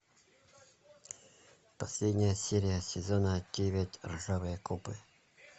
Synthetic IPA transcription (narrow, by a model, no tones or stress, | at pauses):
pɐsʲlʲedʲnʲɪjəsʲeɾʲɪjəsʲɪzonədʲevʲɪtʲrʐavɨjəkupɨ